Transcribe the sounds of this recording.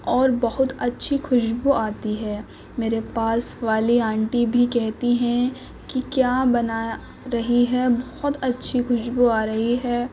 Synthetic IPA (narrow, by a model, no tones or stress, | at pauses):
ɔːɾbɐɦʊt̪ɐtːʃʰixʰʊʃbuaːt̪iɦɛː | meːɾepaːsʋaːliãːɳʈibʱikɛɦt̪iɦɛ̃ | kikjaːbɐnaː | ɾɐɦiɦɛbɐhʊt̪ɐtːʃʰixʊʃbuaːɾɐɦiɦɛː